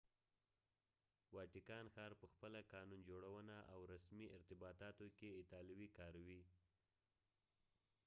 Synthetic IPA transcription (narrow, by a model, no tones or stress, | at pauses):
wɑʈɪkɑnxɑɾpəxpəlakɑnund͡ʒoɽawənaʔawɾasmiɪɾt̪ɪbɑt̪ɑt̪okeɪt̪ɑlɪwikɑɾawi